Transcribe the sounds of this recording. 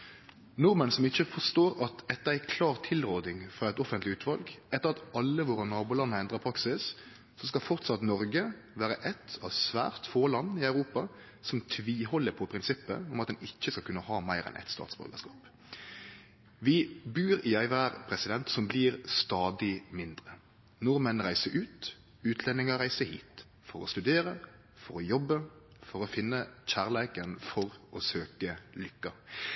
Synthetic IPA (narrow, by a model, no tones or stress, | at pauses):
nʊɾmənsɔmɪçːəfɔst̪oːɾɑt̪ɛt̪ːəɾæɪkʰlɑːʁt̪ʰɪlʁoːd̪ɪŋfʁɑːɛt̪ɔfənt̪lɪʉːt̪ʰʋɑlɡɛt̪ːəɾɑt̪ɑlːəʋʊʁɑnnɑːbʊːlɑnːəɛnd̪ʁəpʰɾɑksɪs | sɔskɑlfɔʁt̪sɑt̪nɔɾɡə | ʋæːɾəʔɛt̪ʰɑʋsʋæ̰ːʁt̪foːlɑnːɪœʉɾuːpɑ | sɔmt̪ʰʋiːlhɔlːəɾpʰɔpʰɾɪnsɪpːə̰ɔmɑt̪d̪ɛnɪc͡çːəskɑlkʰʉnːəhɑːmæɪɾɛ̰nʔɛ̰t̪st̪ɑ̰ːt̪sbœ̰ɾɡə̰skɑ̰ːp | ʋɪbʉːɾɪæɪʋæːɾpʰɾɛsɪd̪ɛnt̪sɔmbliːɾst̪ɑːd̪ɪmɪnd̪ʁə | nʊɾmənɾæɪsəɾʔʉːt̪ | ʉːt̪ʰlɛnːɪŋəɾæɪsəhḭːt̪ | fɔɾɔst̪ʉd̪eːɾə | fɔɾɔjɔbːə | fɔɾɔfɪnːəçæːʁlɛːkənfɔɾɔsøːkəlʏkːɑ